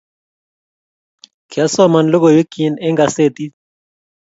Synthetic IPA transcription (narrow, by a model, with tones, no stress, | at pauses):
kʰa˦sɔ˦ma˨nlo˦ɣo˨ji˦ki˨nɛ˦ŋɡa˨se˦˨t̪i˦